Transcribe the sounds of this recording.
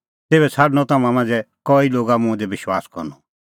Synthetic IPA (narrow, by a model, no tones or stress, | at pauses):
t̪eːβɛt͡sʰaːɖnɔ̃t̪aːmãmãːnd͡zɛkɔːiloːɡamũɛ̃d̪ebɪʃwaːskɔ̰ɾnɔ